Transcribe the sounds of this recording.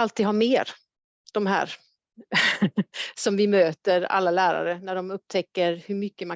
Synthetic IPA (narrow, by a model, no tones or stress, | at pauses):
alt̪iːd̪hɑɾmeːɾ | d̪̥ɔmɦæ̰ːɾ | sɔmvɪmøːt̪əɾa̰lːalæːɾa̰ɾənæɖɔmɵp̚ːt̪ʰɛkːəɾhɵɾmʏkːəma